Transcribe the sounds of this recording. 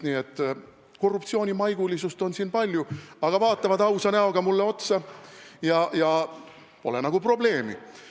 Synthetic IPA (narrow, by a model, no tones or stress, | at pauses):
niːe̞t̪ːˑ | ko̞rːup̚t̪sio̞ːnʲimɑjɡ̥ulʲisust̪o̞nsiːnpɑlʲjuɑɡ̥ɑvɑːt̪ːˑɑvɑd̪ɑwsɑnæo̞ɡ̥ɑmulːe̞o̞t̪sɑjɑjɑ | po̞̰lenɑɡ̥upro̞ble̞ːmḭ